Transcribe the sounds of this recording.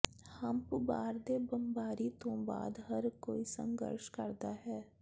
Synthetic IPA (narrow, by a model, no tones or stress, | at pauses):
hɐmpbaːɾd̪eːbəmbaːɾit̪õba̰ːd̪ɦɐɾkoːisə̰̃ŋɡə̰ɾʃkɐɾd̪aɦɛː